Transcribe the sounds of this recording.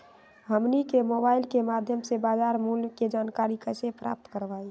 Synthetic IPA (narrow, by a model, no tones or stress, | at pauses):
ɦəmnikemoːbaːɪlkemad̪ʱjəmsebaːd͡ʒaːɾmulked͡ʒaːnkaɾikəsepɾa̰ːp̚t̪kəɾʋaːi